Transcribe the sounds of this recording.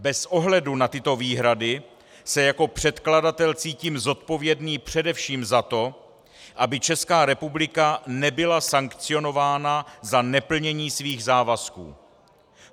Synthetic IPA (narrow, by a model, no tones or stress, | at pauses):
bɛsʔo̞ɦlɛdunat̪ɪt̪o̞viːɦɾadɪ | sɛjako̞pr̝̥ɛt̪kladat̪ɛlt͡siːciːmzo̞t̪po̞vjɛdniːpr̝̥ɛdɛfʃiːmzat̪o̞ | ʔabɪt͡ʃɛskaːɾɛpublɪkanɛbɪlasaŋkt͡sɪo̞no̞vaːnazanɛpl̩ɲɛɲiːsviːɣzaːvaskṵː